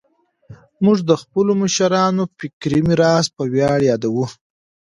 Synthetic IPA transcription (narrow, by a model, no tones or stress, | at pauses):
mʊʐd̪əxpəlomaʃaɾɑnofikɾimiɾɑspəwjɑɽjɑd̪awu